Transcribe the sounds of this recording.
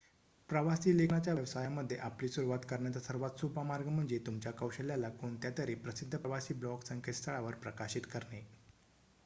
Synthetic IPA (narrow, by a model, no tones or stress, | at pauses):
pɾəʋasiːlekʰɳat͡ɕjaʋjəʋsajaməd̪ʱːjeʔapliːsuɾuʋat̪kəɾɳjat͡sasəɾʋat̪supəmaɾɡəm̤əɳd͡zet̪umt͡ɕjakəwɕəljalakoɳt̪jat̪əɾiːpɾəsid̪ʱːəpəʋasiːblɔksəŋkʰet̪st̪ʰəɭaʋəɾpɾəkaɕit̪kəɾɳe